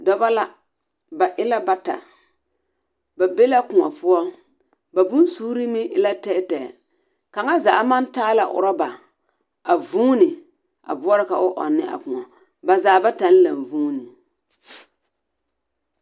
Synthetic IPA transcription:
dɔ˨ba˦la˦ | ba˨ʔɪ˦la˦ba˦ta̰˨ | ba˨be˦la˦kʊ˨ŋɔ̰˨pʊ˦ɔ˦ | ba˨bʊ˦n˦suː˦ɾi˦mɪ˦ʔɪ˦la˦tɛ˦tɛ˨ | ka˨ŋa˦zaː˨˦ma˦n˦taː˦la˨ʔʊ̰˨ɾɔ˦ba˨ | a˨vuː˦nɪ˨ | ʔa̰˨bʊ˦ɔ˦ɾɪ˦ka˨ʔʊ˦ʔɔ̰˨nːɪ̰˦ʔa̰˨kʊ˨ŋɔ˨ | ba˨zaː˨˦˨ba˦ta˨n˦la˨mvuː˦nɪ˨

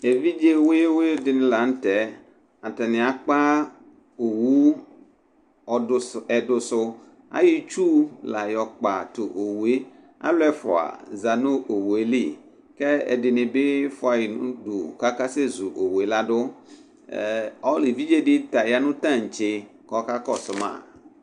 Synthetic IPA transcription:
e˨vi˦d͡ʒe˦wo˦e˦we˦dɪ˨nɪ̃˨la˨n̩˦t̪ɛ˨˦ | a˨t̪ɛ˨nɪ̃˨a˨k͡pa˦ | o˨wu˦ | ɔ˨˦˨ɛ˨dʊ˦sʊ˦ | a̰˦ji˦t͡ʃu˦la˨jɔ˨k͡pa˨t̪o˨ʔo˨we˦ | a̰˦lɛ˦fʊ̰˨a̰˨za˨nõ˦ʔo˨we˦li˦˨ | kɛ˦ɛ̰˨dɪ˨nɪ̃˨bɪ˦fʊ˦a˨ji˨nṵ̃˦du˨ka˦ka˦se˦zu˨ʔo˨we˨˦la˦dʊ˦˨ | ɔ˦li˨vi˦d͡ʒe˦dɪ˦ta˨ja˦nʊ̃˦tã˦˨ŋ̩˨t͡ʃe˦ | kɔ˦ka˦kɔ˦˨sʊ˦mã̰˦˨

